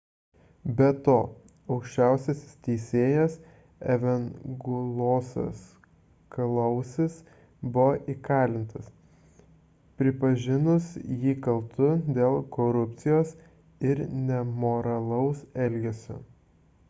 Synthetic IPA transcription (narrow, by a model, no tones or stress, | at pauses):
bʲɛt̪oː | ɒʊkʃʲt͡ʃʲæˑʊsʲɛsʲst̪ʲɛɪsʲeːjɛs | ɛʋʲɛnɡʊlˠoːso̰s | klˠɐʊsʲɪs | bʊʋoʔikɑːlʲɪnt̪ɐs | pʲɾʲɪpɐʒʲɪnʊsjiːkɐlˠt̪ʊd̪ʲeːlˠkoɾʊpʲt̪sʲɪjoːs | ɪɾnʲɛmoɾɐlˠɐʊsɛlʲɡʲɛsʲʊ̰